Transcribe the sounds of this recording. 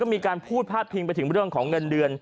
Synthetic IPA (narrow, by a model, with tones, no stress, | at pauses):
ɔː˥˩miː˧kaː˧npʰuː˥˩t̪̚pʰaː˥˩t̪̚pʰi˧ŋpa˧jt̪ʰɯ˩˦ŋɾɯ˥˩əŋkʰɔː˩˦ŋːɤ˧ndɯ˧ən